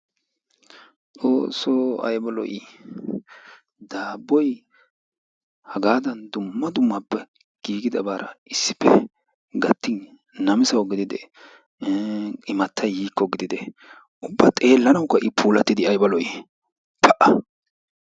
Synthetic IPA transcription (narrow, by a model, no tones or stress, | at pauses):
t͡sʼoːsːɔɐ̰jbɐlɔ̰ji | d̪aːbːɔj | hɐɡaːd̪ɐnd̪ʊmːɐd̪ʊmːɐpːɛ | ɡ̥iːɡɪd̪ɐbaːɾɐ̰ʔɪsːɪ̥pːɛ | ɡɐt̪ːɪn | nɐmɪsɐwɡɪd̪ɪd̪ɛ | ɪmɐt̪ːɐjhiːkːɔɡɪd̪ɪd̪ɛ | ʊbːɐt̪ʼe̞ːlːɐnɐwkːɐʔɪpʰuːlɐt̪ːɪd̪ɪɐjbɐlɔjɪ | pʰɐʔɐ